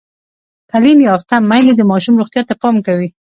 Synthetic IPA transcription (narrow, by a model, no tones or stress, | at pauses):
t̪alimjɑft̪amajled̪əmɑʃumɾuχt̪jɑt̪apɑmkawi